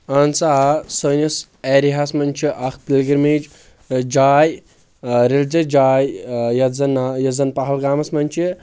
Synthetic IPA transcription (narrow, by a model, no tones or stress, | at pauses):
ansaːsəːnɐs | ɛːɾiɦasmɐnʲt͡ʃʰiʔɐkʰpilɡiɾmeːd͡ʒ | d͡ʒaːj | ɾelʲd͡ʒɐd͡ʒaːjjɐzɐnjɐzɐnpɐɦɐlɡaːmɐsmɐnʲt͡ʃʰi